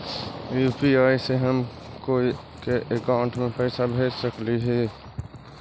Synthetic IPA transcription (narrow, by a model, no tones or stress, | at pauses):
juːpiaːiseɦəm | koːi | keʔekaʊɳʈmẽpɛɪsabʱeːd͡ʒsəkliɦɛ